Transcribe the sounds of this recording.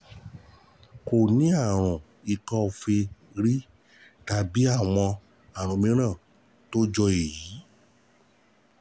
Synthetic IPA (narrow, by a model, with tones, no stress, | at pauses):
ko˨nĩ˦a˦˨ɾ̃ũ˨ | i˨kɔ̃˦˨fe˧ | ɾi˦ | ta˨bi˦a˦˨w̃ɔ̃˧ | a˨ɾ̃ũ˨˦mĩ˧˦ɾ̃ã˦˨ | to˦d͡ʒɔ˧e˨ji˨˦